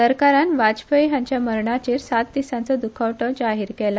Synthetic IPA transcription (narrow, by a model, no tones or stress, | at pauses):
səɾkaɾanʋad͡ʑpəjɦãɲt͡ɕjaməɾɳat͡ɕeːɾsat̪̚d̪isãnt͡səd̪ukʰaʋʈəd͡ʑaɦiɾkɛla